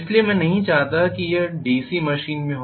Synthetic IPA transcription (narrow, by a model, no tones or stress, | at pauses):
sliemɛ̃ːnɐɦĩt͡ʃaːɦt̪akijeɖiːsimɐʃiːnmẽɦo